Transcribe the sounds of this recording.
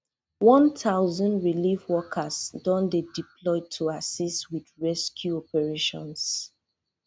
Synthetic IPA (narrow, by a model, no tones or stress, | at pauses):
wɔ̃ntʰaʊzɔ̃ndɹilifwɔkʰəsdɔ̃ndedipʰlɔɪtʰuasistwidɹɛskʰjuɔpɛɹeʃɔ̰̃ns